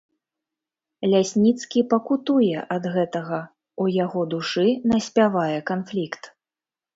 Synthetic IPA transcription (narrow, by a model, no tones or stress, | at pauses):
lʲasʲnʲit̪skʲipɐkut̪ujɛʔɐd̪ɣɛt̪ɐɣɐ | ujaɣɔd̪uʂɨnɐsʲpʲavajɛkanflʲikt̪